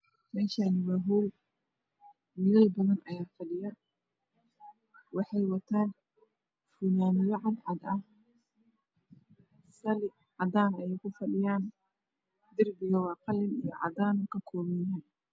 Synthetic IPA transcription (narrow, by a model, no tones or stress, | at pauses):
mɛːʃanɪwaːɦuːl | mɪlɐlbɐðɐnʔɐjaːfɐɖɪjɐ | wɑħɑjwɐt̪ʰaːn | funaːmɪðɐʕɑd̪ʕɑd̪ɐh | sɐlɪ | ʕɑd̪aːnɐjɛjkʰʊfɐɗɪjaːn | d̪ɪrbɪɣɐwɑːqɑlɪnḭjɔʕɑ̰d̪aːnkʰɐkʰɔːmɛjaːn